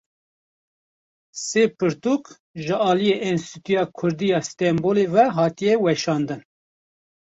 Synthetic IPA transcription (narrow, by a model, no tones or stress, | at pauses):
seːpɨɾt̪uk | ʒɨɑːlijeːʔɛnst̪it̪ujɑːkʰʊɾd̪ijɑːst̪ɛmboːlevɛɦɑːt̪ijɛwɛʃɑːnd̪ɨn